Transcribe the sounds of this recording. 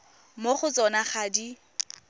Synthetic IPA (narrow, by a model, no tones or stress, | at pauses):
moχʊt͡sʼɔnaχaːdi